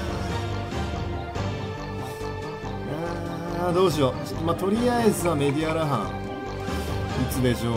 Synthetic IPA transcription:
e | ad̪o̞ːɕ̬io | mat̪o̞ɾʲiaezɨame̞d̪iaɾaɦã̰ | it͡sɨd̪e̞ɕo

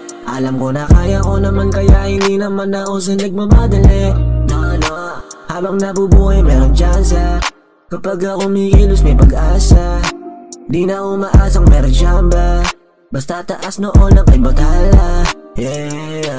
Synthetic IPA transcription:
ʔɐlɐmko̞nɐkaːjako̞nɐmankɐjahɪnd̪inɐmanɐko̞s̬ɐnɐɡ̚mabaːd̪ɐlɛnɐɐnohaːbɐŋnɐbubuːhajmɛɾoŋd͡ʒansɐ | kɐpaɡakomiːkiːlos̬mɐjpɐɡʔaːsa | ɪnd̪inɐkomɐʔaːs̬ɐŋmɛːɾond͡ʒabɐ | bɐst̪ɐt̪ɐʔasnoʔo̞nɐŋʔɐjbɐt̪aːlaɛ

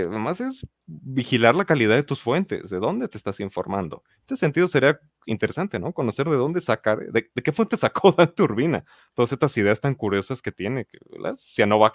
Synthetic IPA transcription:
emase̞z | bixilaɾlakalið̞aðe̞t̪usfwe̞nt̪ḛzðe̞ðo̞nd̪e̞t̪eːst̪asiɱfo̞̰ɾmãnd̪o̞̰t̪sent̪iðo̞se̞ɾia | int̪e̞ɾe̞sant̪e̞no̞ko̞no̞se̞ɾðe̞ðo̞nd̪esakaɾðed̪e̞ke̞fwe̞nt̪e̞sako̞ðant̪euɾβina̰ | t̪oðase̞st̪asiðe̞ast̪aŋkuɾjo̞saske̞t̪je̞nekḛla̰sjano̞βa

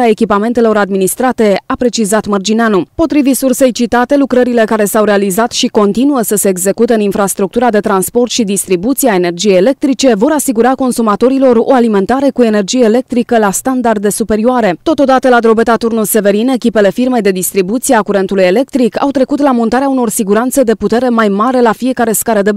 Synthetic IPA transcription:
ae̞kʲipame̞nt̪e̞lo̞ɾad̪minist̪ɾat̪e̞apɾe̞t͡ʃizat̪mərd͡ʒineanupo̞t̪ɾivit̪surse̞jt͡ʃit̪at̪e̞lukɾəɾile̞kaɾe̞sawɾe̞alizat̪ʃiko̞nt̪inuəsəse̞ːɡze̞kut̪eɨninfɾast̪ɾuk̚t̪uɾad̪e̞t̪ɾanspo̞rt̪ʃid̪ist̪ɾibut̪siae̞ne̞rd͡ʒijejele̞k̚t̪ɾit͡ʃe̞vo̞ɾasiɡuɾako̞nsumat̪o̞ɾilo̞ɾo̞̰alime̞nt̪aɾe̞kue̞ne̞rd͡ʒijeːle̞k̚t̪ɾikəlast̪and̪ard̪e̞supe̞ɾioaɾe̞t̪o̞t̪o̞d̪at̪əlad̪ɾo̞bet̪at̪urnulse̞ve̞ɾine̞kʲipe̞le̞firme̞jd̪e̞d̪ist̪ɾibut̪sijeakuɾe̞nt̪uluje̞le̞k̚t̪ɾika̰wt̪ɾe̞kut̪lamont̪aɾeauno̞rsiɡuɾant̪səd̪e̞put̪e̞ɾe̞majmaɾe̞lafie̞kaɾe̞skaɾəd̪e̞

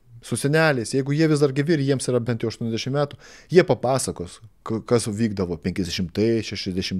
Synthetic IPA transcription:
sʊsʲɛnʲæːlʲɛɪsjɛɪɡʊjiɛʋʲɪsd̪ɐrɡʲɪʋʲiɾʲjiɛmsiːɾɐbʲɛnt̪joʊʃt̪uɔnɛzd̪ʲæɛʃʲɪmʲæːt̪ʊjiɛpɐpɑːsɐkoːskɐkɐsʋʲiːɡ̚d̪ɐʋoːpʲɛŋʲkʲɛzd̪ʲɛʃʲɪmt̪ɐʃʲæʃʲɛzd̪ʲɛʃʲɪm

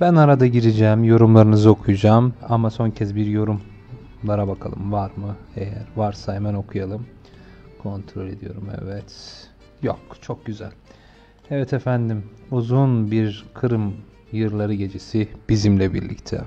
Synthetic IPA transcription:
bænaɾad̪aɟiɾid͡ʒɛːmjo̞ɾumlˠaɾɯnɯzɯo̞kʰujd͡ʒaːmamaso̞ncʰɛzbiɾjo̞ɾum | lˠaɾabakʰa̰lˠɯ̰mvaɾmɯejæɾvaɾsajmæno̞kʰujalˠɯm | kʰo̞nt̪ʰɾo̞lʲe̞d̪ijo̞̰ɾumɛ̰vɛt̪ | jo̰kt͡ʃʰo̞k̚ɟyzæ̰lʲ | ɛvɛt̪ʰefænd̪imuzunbiɾkʰɯɾɯm | jɯɾlˠaɾɯɟe̞d͡ʒesib̥izimlʲɛbḭɾlʲḭct̪ʰɛ̰

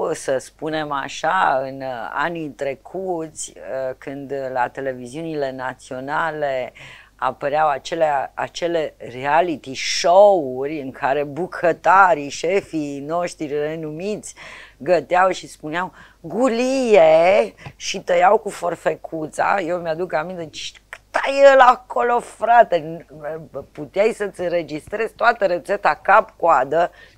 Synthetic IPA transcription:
səspune̞ma̰ʃaɨna̰nit̪ɾe̞kʰut̪sʲəkɨnd̪lat̪e̞le̞viziunile̞nat̪sio̞nale̞a̰pəɾeawat͡ʃe̞leaat͡ʃe̞le̞rialit̪iʃourʲɨŋkʰaɾe̞bukʰət̪aɾiʃefino̞ʃt̪ɾire̞numit̪sʲɡət̪eawʃispuneaw | ɡulije | ʃit̪əjawkufo̞rfe̞kʰut̪sa̰jewmjad̪ukamint̪et͡ʃ | kɨ̥t̪ajelakolo̞fɾat̪e | put̪eajsət̪sʲɨnɾe̞d͡ʒist̪ɾe̞zʲt̪oat̪əɾe̞t̪se̞t̪akapkoad̪ə

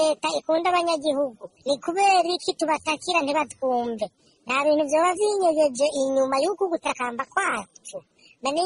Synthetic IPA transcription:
eːtaikuːndaβaɲaɡiɦuɡunikuβeːɾikituβatakiɾantiβatu̥kuːmve | naβiːnhuvjo̞ːβaviɲeɡed͡ʒeʔiɲumajukuɡutakaːmbakwaːt͡ʃu | mani

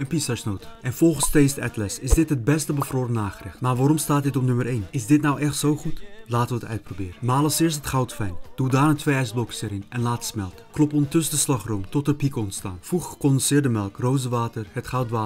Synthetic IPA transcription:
ənpisasnowtəʔɛnfɔlˠχənstejstɛ̰tlɛsɪzdɪtɦət̚bɛstəbəfroːɾənaːχərɪxtmaːrʋaːɾɔmstaːt̚dɪtɔpnɵməɾejnɪsdɪtnawʔɛχtsowχutlaːtəʋəətœ̰ɥt̚probɪːɾənmaːlˠəsɪːɹstɦətχawtfɛjnd̥udaːrətʋeɛjsblɔksəɾɪnɛnlaːtə̥smɛlˠtəklɔpɔndətɵsədəslɑχromtɔtəpikɔntsta̰ːnfruχχəkɔndənsɪːɹdəmɛlˠkrowzəʋaːtərhətχɑwtʋaː

